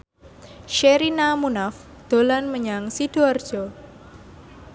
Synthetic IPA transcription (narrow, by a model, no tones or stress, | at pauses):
ʃeɾinamunaf | d̪̥o̤lanməɲaŋsid̥oard̥ʒ̥ɔ